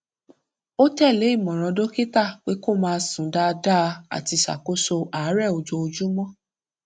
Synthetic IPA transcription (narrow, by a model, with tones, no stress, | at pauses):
o˦tɛ˦˨le˨˦i˦˨mɔ̃˨ɾ̃ɔ̃˧do˦ki˦ta˦˨k͡pe˨˦ko˦˨mãː˧sũ˨da˧da˦˧a̰˨ti˧sa̰˨ko˨˦so˧aː˨˦ɾɛ˦˨o˨d͡ʒo˧o˧d͡ʒu˦mɔ̃˦